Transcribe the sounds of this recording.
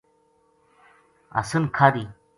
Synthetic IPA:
ɐ̰sənkʰaːɾi

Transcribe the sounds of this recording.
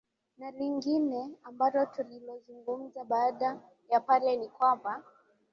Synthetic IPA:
naliŋɡinɛambalɔtulilɔzuŋɡum̩zaɓaːɗa | japalɛnikwamba

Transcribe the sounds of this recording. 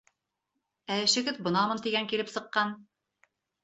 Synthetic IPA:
æɘ̆ʃɘ̆ɡɘðbɤ̆nɑmɤ̆nt̪iɡæŋkilɘpsɤ̆qːɑn

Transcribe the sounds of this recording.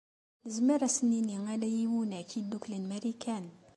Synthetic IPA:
nəzməɾæsəniniŋælæjiwunækʰid̪uklənmæɾikæn

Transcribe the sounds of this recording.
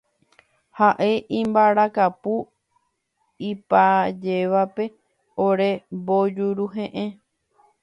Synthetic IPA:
haʔe̞ʔĩmbaɾakapu | ipad͡ʒe̞ʋape̞ | oɾe̞bod͡ʒuɾuɦẽʔẽ

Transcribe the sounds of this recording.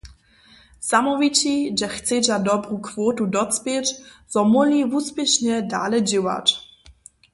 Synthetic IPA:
zamɔvit͡ɕiʒɛxt̪t͡sɛd͡ʑadɔbɾukvoːt̪udɔt͡s̪pʲjɛt͡ʃz̥ɔmɔlivuːspʲjɛʃɲɛda̰ːlɛd͡ʑɪwa̰t͡ʃ

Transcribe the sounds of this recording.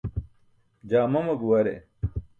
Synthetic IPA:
d͡ʑaːmɐmɐɡuwɐɾḛ

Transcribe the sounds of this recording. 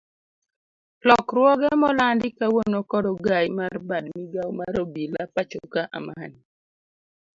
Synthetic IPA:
lɔkɾwɔɡɛmɔlandɪkawonokɔdɔɡajmarbadmiɡawmaɾɔbilapat͡ʃokaʔa̰man

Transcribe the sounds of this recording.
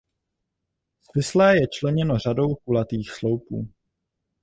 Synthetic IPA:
svɪslɛːjɛt͡ʃlɛɲɛno̞r̝ado̞wkulat̪iːxslowpṵː

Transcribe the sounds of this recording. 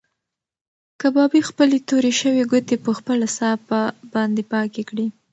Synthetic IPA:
kabɑbixpəlet̪oɾeʃəweɡʊt̪epəxpəlasɑpabɑnd̪epɑkekɽi

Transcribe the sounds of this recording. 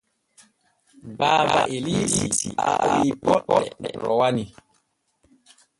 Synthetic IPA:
baːba̰ʔelisisiawipɔɗɛɗɛɾɔwani

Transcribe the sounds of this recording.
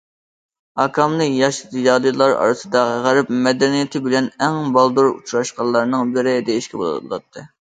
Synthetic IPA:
ɑkʰɑmnˠɨjɑʃɨd̪ɨjɑd̪ˠɨjlˠɑɾɑ̰ɾɨsɨd̪ɑʁæɾɪpmɛd̪ɛnijet̪ʰɪbɪlɛnɛŋbɑlˠd̪uɾṵt͡ʃʰɾɑʃqɑlˠːɑɾnɨŋbɪɾɪd̪ejiʃkʲɛbol̰ˠbolˠɑ̰t̪ʰːɨ

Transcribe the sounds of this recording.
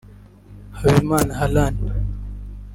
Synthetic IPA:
hawimaːnɦalaːn

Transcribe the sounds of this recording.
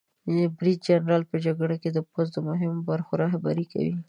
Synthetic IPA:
bɾid̪̚d͡ʒanɾɑlpəd͡ʒaɡɽaked̪əpozd̪əmʊɦɪmobaɾxoɾɑɦba̰ɾika̰wḭ

